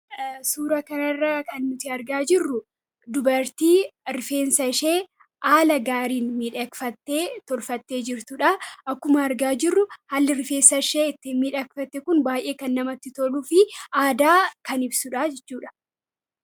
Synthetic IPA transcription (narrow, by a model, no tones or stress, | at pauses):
suːɾɐkɐnɐrːakɐnːʊt̪ɪɐɾɡaːd͡ʒɪrːʊ | d̪ʊbɐɾt̪iːɾɪfe̞ːnsɐɪʃeː | ʔaːlɐɡaːɾiːnmiːᶑɐkfɐt̪ːe̞ːt̪ɔlfɐt̪ːe̞ːd͡ʒɪɾt̪ʊᶑɐʔɐkːʊmɐːɾɡaːd͡ʒɪrːʊhɐlːɪɾɪfe̞ːsɐɪʃeːɪt̪ːɪmiːᶑɐkfɐt̪ːɛkʊnbaːjʔe̞ːkɐnːɐmɐt̪ːɪt̪ɔluːfɪaːd̪aːkɐnɪbsʊᶑad͡ʒɛt͡ʃːuːᶑɐ̥